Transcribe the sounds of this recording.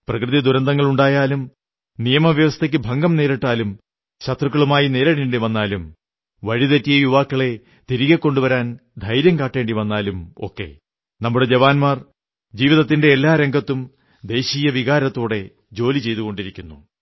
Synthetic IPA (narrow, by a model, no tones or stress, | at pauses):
prɐkrɨðid̪uɾɐnd̪ɐŋːɐɭuɳɖaːjaːlum | nijɐmɐʋjɐʋɐst̪ʰek̬ʲːɨbʱɐŋɡɐmne̞ːɾiʈːaːlum | ɕɐt̪ruk̬ːɐɭumaːjine̞ːɾɐɽiɳɖiʋɐnːaːlum | ʋɐɻiðɐtːijɐjuʋaːkːɐɭe̞ | t̪iɾiɣɐkːo̞ɳɖuʋɐɾaːnd̪ʱɐjɾjɐmkaːʈːe̞ːɳɖiʋɐnːaːlumo̞̰kːe̞̰ | nɐmːuɽe̞d͡ʑeʋaːnmaːr | d͡ʑiːʋiðɐt̪ːinde̞ːlːaːɾeŋɡʱɐt̪ːum | d̪e̞ːɕiːjɐʋiɣaːɾɐt̪ːoːɽe̞ | d͡ʑo̞ːlit͡ɕe̞jt̪uɣo̞ɳɖiɾikʲːunːu